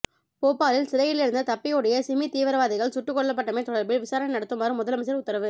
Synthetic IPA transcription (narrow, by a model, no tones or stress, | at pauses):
poːpːaːlɪlsɪɾɐjɪlɪɾɯnd̪ɐt̪ɐpːɪjɔɽɐjɐsɪmit̪iːʋɐɾɐʋaːðɪɣɐɭsʊʈːɯkːɔɭːɐp̬ːɐʈːɐmɐɪt̪ːɔɽɐɾbɪlʋɪsaːɾɐnɐnɐɽɐt̪ːɯmɐɾɯmːʊðɐlɐmɐs̬ɐɾʊt̪ːɐɾɐʋɯ